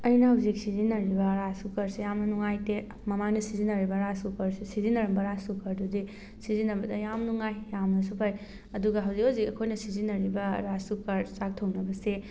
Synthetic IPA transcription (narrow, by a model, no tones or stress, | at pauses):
ɐjnɐɦɐwzik̚sizinɐɾibɐɾasukɐɾsejamnɐnuŋajte | mɐmanɐsizinɐɾibɐɾasukɐɾsesizinɐɾɐmbɐɾasukʰɐɾdudi | sizinɐbɐdɐjamnuŋajːamnɐsupʰaj | ɐduɡɐɦɐwzikhawzikɐkʰojnɐsizinɐɾibɐɾasukɐɾsak̚tʰɐwnɐbɐse